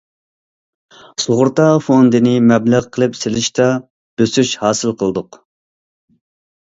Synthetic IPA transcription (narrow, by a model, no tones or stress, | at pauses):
soʁʊɾt̪ɑfond̪ɨnɪmɛblæʁqʰəlˠɨpselɪʃt̪ɑ | b̥øsyʃhɑːsɨlˠqʰəlˠɨd̪ʊq